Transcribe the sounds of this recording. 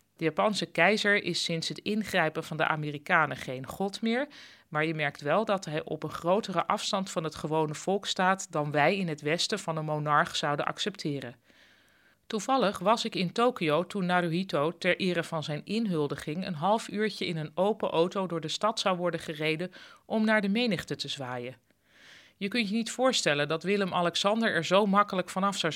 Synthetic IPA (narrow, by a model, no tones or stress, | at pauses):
d̥əjaːpɑnsəkɛjzəɹʔɪsɪnsɦətɪnχrɛjpənvɑndə̰ʔa̰ːmɪːrikaːnəχejnχɔtmɪːɹ | maːɹjəmɛɹktʋɛlˠdɑtɦɛjʔɔ̰pənχrowtərəʔɑfstɑntfɑnɦətχəʋownəv̥ɔlˠkstaːtdɑnʋɛjɪnɦətʋɛstəv̥ɑnənmonɑɹχsɑwdənʔɑ̰ksɛptʰɪːrə | tuvɑlˠəχʋɑsɪkɪntowkiowtunːaːɾoitowtɛɹʔɪːrəvɑnzɛjnɪnɦɵlˠdəχɪŋə̰nɦɑlˠfyːɹcəɪnənowpəʔowtowdʊːɹdəstɑtsɑwʋɔɹdəχərejdəʔɔmnaːɹdəmejnəχtətəzʋaːjə | jəkɵntjənitfʊːɹstɛləndɑtʋɪləmʔɑlɛksɑndəɹɛɹzowmɑkələkfɑnɑfsɑw